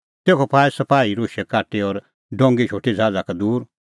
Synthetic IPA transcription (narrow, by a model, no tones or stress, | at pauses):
t̪eːkʰɔpʰaːesɐpaːiɾoːʃɛkaːʈeɔɾ | ɖɔ̃ːŋɡet͡ʃʰoːʈʰed͡zʱaːd͡zakad̪uːɾ